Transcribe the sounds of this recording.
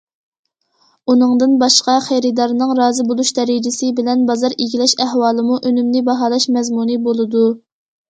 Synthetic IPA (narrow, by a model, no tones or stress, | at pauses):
unɨŋd̪ɨnbɑʃqɑχæjɾɨd̪ɑɾnɨŋɾɑːzɨbolˠuʃd̪ɛɾid͡ʒɪsɪbɪlɛnbɑzɑɾiɡʲilɛʃæhwɑːlˠɨmuʔønymnɪbɑɦɑːlˠɑʃmɛzmunɨbolˠɨd̪u